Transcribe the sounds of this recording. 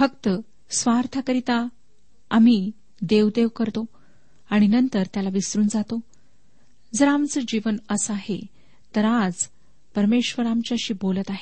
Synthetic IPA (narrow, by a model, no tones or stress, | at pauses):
fəkt̪ə | sʋaɾt̪ʰakəɾit̪a | am̤i | d̪eʋd̪eʋkəɾt̪o | aɽ̃inənt̪əɾt̪jalaʋisɾuːnd͡zat̪o | d͡zəɾamt͡səd͡ʑiʋənəsaɦe | t̪əɾad͡z | pəɾmeɕʋəɾamt͡ɕjaɕiːbolət̪aɦe